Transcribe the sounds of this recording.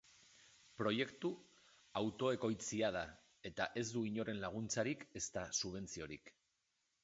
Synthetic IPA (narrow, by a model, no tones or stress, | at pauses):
pɾo̞je̞kt̪u | awt̪o̞e̞ko̞jt͡siað̞a | e̞t̪aʔe̞zd̪uiɲo̞ɾe̞nlaɣ̞unt͡saɾike̞st̪asuβ̞e̞nt͡sio̞ɾḭk